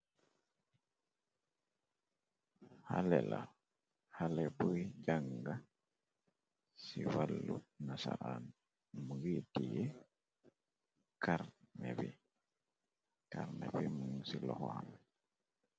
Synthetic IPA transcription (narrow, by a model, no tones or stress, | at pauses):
halɛla | halɛpujd͡ʒaŋɡa | siwalːunasaɾan | muɡitije | kʰaɾnɛbi | kaɾnɛbimuŋsilɔ̰hɔham